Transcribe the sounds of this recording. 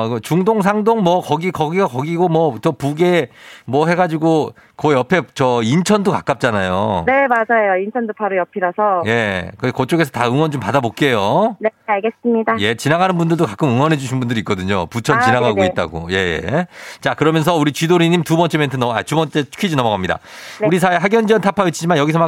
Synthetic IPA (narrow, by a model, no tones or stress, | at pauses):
t͡ɕuŋdoŋs̬ʰaŋdoŋmʌkʌɡikʌɡiɡakʌɡiɡomʌt͡ɕʌpuɡe̞mwʌɦe̞ɡad͡ʑiɡo | kʌjʌpʰe̞t͡ɕʌint͡ɕʰʌndokak͈ap̚t͡ɕ͈anajo̰ne̞mad͡ʑajoint͡ɕʰʌndopaɾojʌpʰiɾʌsʰʌje̞kɯkʌt͡ɕ͈oɡe̞sʰʌtaɯŋwʌnd͡ʑompadabok̚k͈e̞joneaɭɡes͈ɯmɲidaje̞t͡ɕinaɡanɯnbundɯɭdokakʰɯmɯŋwʌnɦe̞d͡ʑuɕʰinbundɯɾik͈ʌdɯɲoput͡ɕʰʌnt͡ɕinaɡaɡoit̚t͈a̰ɡo̰je̞jḛt͡ɕakɯɾʌmjʌnsʰʌuɾit͡ɕidoɾiɲimtubʌnt͡ɕ͈ementʰɯnʌa̰tubʌnt͡ɕ͈e̞t͡ɕʰu̥kʰid͡ʑinʌmʌɣamɲida̰uɾis̬ʰaeɦaɡjʌnd͡ʑiʌntʰapʰait͡ɕʰid͡ʑimanjʌɡisʰʌma